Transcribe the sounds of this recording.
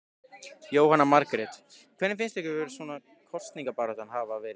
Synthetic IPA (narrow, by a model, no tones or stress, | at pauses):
joːwhanːamaɾkɾɛt̪ | kʰvɛɾnɪmfɪnslɛhkcʏvɛɾʏsvɔːna | kʰɔst̪niŋkapaːɾɔt̪anɦaːvaːvɛːɾɪ